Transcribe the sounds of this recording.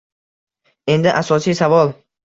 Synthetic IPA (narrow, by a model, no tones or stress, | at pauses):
e̞nd̪ɪʔasɒsijsavɒlˠ